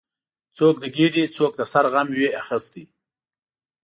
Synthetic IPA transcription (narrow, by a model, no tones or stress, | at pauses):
t͡sok̚d̪əɡeɖit͡sok̚d̪əsaɾɣamweaxəst̪i